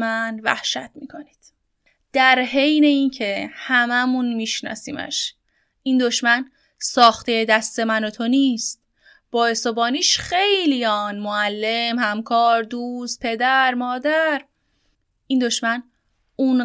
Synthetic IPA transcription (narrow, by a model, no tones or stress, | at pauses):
ænvæ̰hʃæ̰t̪̚miːkʰo̞ni̥d̪̥ | d̪̥æɾɦe̞jne̞incʰe̞hæmæmunmiːʃnɒ̰ːsḭːmæ̰ʃ | ʔind̪oʃmæn | sɒːxt̪ʰejed̪æst̪e̞mænot̪ʰo̞niːst̪̚ | b̥ɒːesobɒːniːʃxejlijɒːnmoælːemhæmkʰɒːɾd̪uːs̚pʰe̞d̪æɾmɒːd̪æɾ | ind̪o̞ʃmæn | un